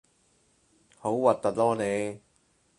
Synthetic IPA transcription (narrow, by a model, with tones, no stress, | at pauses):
ho˨˥wwɐ˨t̚t̪ɐ˨t̚lɔː˥ne˨˧j